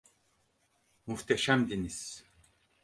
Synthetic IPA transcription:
muft̪ʰɛʃæmd̪inis

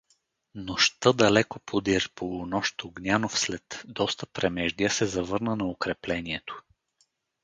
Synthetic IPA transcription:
noʃt̪əd̪ɐlɛkopʰod̪iɾpʰonɔʃt̪oɡnʲanofslɛt̪d̪ɔst̪əpɾɛmɛʒd̪iəsɛzɐvɤɾnənɐokɾɛplɛniɛt̪o̥

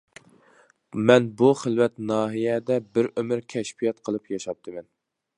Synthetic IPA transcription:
mɛnbuχəlwɛt̪nɑːɦijɛd̪ɛbɪɾømɨɾkʲʰɛʃpijɛt̪qʰəlˠɨpjɑʃɑp̚t̪ʰɨmɛn

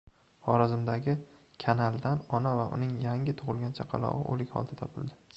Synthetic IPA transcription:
χɒɾazɪmd̪aɡʲɪ | kʲʰanalˠd̪anɒnavaʔʊ̰nɪŋjaŋʲɪt̪ʰʊʁɨlˠɡʲant͡ʃʰaqʰɑ̰lˠɒ̰ʁɨ̰ʔo̰lɪkʲhɒ̰lˠd̪at̪ʰɒpʰɪld̪ɪ

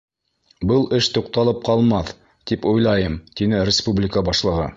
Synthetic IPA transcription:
bɤlˠɘʃt̪uqt̪ɑlˠɤp̚qɑlˠmɑθ | t̪ipujlˠɑjɤmt̪inɘɾʲɪspublʲɪkəbɑʃlˠɤ̆ʁɤ̰

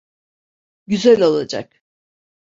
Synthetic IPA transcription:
ɟyzælʲolˠad͡ʒa̰k̚

